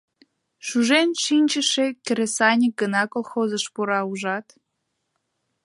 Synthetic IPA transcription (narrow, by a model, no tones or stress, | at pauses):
ʃuʒenʃinʲt͡ɕə̆ʃekʲĕɾesɑnʲik̚ɡənɑkolˠxozə̆ʃpuɾɑuʒɑt̪